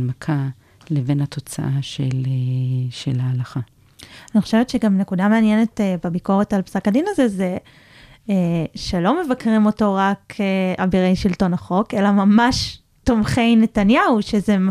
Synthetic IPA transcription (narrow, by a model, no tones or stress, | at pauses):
makʰa | levenat̪ʰo̞t͡sa̰ʔaʃeleʃelaːlaχa | aniχo̥ʃe̞vett͡ʃeɡamne̞kudameanjene̞tebabiko̞ʁetalpsakadinaze̞ze | ʃe̞lo̞me̞vakʁimo̞to̞ʁakʰeabiʁejʃilto̞naχo̞ke̞lamamaʃ | tomχe̞jne̞tanjauʃezem